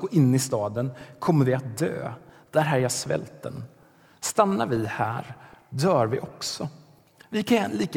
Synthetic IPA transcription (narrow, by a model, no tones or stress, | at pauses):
ɡoːʔɪnːɪst̪ɑːd̪ənkʰɔmːəɾvɪat̪̚d̪ø̰ːd̪̥æɾɦæːɾjɑːsvɛ̰lt̪ːə̰n | st̪anːaɾvɪhæ̰ːɾd̪œːɾvɪʔɔksɔ | vɪkʰaɛnliːk